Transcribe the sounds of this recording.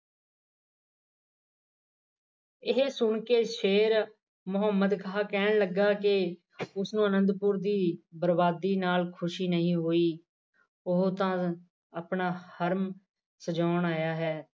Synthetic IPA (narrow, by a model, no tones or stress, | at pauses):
ɪɦsʊɳkeːʃeːɾ | mʊɦəmːəd̪kʰaːkɛːɳləɡaːkɪ | ʊsnũːənə̃nd̪pʊɾd̪iːbəɾbaːd̪iːnaːlkʰʊʃiːnəɦĩːɦoːiː | ʊɦt̪ãː | əpɳaːhəɾm | səd͡ʒaːɳaːjaːɦɛː